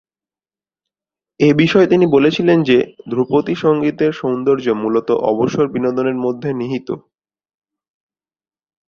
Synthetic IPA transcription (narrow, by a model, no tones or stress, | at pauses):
ebiʃɔet̪inibolet͡ɕʰilend͡ʑed̪ʱɾupot̪iʃɔŋɡit̪eɾʃownd̪oɾd͡ʑomulot̪oʔɔ̰boʃoɾbinod̪oneɾmod̪ʱːeniɦit̪o̰